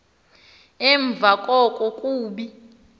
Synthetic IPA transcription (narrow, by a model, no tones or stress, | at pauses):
ɛɱb̪vʱakʼɔkʼɔkʼuːɓi